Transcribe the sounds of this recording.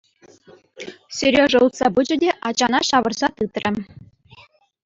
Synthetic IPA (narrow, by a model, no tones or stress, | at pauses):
sʲɵ̆rʲoʐɤ̆ut̪sɑbɯd͡ʑɘ̆dʲeʔɑt͡ɕɑnɑɕɑʋɤ̆rzɑt̪ɯt̪rʲʔɘ̆